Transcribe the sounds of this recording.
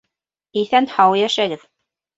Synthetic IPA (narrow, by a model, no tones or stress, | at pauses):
iθænhɑwjæʃæɡɘð